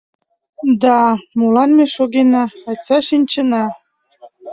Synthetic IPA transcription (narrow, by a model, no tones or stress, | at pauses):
d̪ɑmolɑnmeʃoɣenɑːt͡sɑʃinʲt͡ɕənɑ